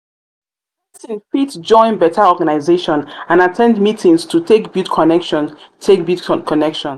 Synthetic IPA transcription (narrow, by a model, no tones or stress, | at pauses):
sĩnfitd͡ʒɔ̃ɪ̃nbɛtʰaɔɡanaɪzeʃɔ̃nãnatʰɛ̃ndmitʰĩŋstʰutʰekbidkʰɔnɛkʃɔ̃ntʰek̚bidkʰɔnɛkʃɔ̃n